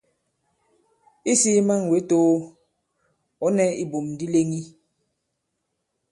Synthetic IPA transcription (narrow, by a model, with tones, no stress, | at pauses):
i˦si˦ma˦ŋ˨we˨˦toː˦ | ɔ˨˦nɛ˦i˨bo˨mdi˦le˦ŋi˦